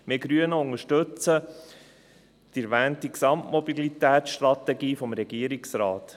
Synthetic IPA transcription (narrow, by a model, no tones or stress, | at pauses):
mɪɡɾyənəʊŋəʃtɵt͡sə | d̥iɾʋæːntiksɑmtmɔbilit̪æːtsʃtɾɑt̪ɛɡiːfɔmɾɛɡ̥iəɾiksɾaːt̪